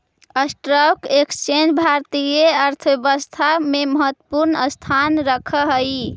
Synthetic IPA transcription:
əsʈɾəkekst͡ʃend͡ʒbʱaɾt̪ijeəɾt̪ʰbebəst̪ʰameməɦət̪ːwəpuɾnəst̪ʰanɾəkʰəɦəj

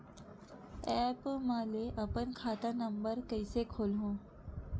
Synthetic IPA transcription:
ɛpməleʔəpənkʰaːt̪anəmbəɾkəɪsekʰoːlɦõː

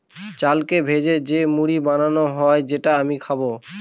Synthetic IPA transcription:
t͡ɕalkebʱed͡ʑed͡ʑemuɽibananoɦɔed͡ʑeʈaamikʰabo

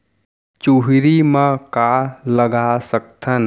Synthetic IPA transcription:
t͡ʃuɦiɾimãkaləɡasək̚t̪ʰən

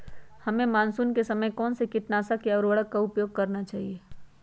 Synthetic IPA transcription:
hɐmẽmaːnsuːnkesɐməjkɔːnsekɪʈnaːsakeɔːɾəɽəkkaʊpjoːɡ̚kɐɾnat͡ʃaːɦieː

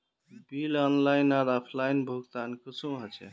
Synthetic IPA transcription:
bilɔnlajnaɾɔpʰlajnbʱuɡt̪ankit͡ʃʰũɦət͡ʃʰɛ̰

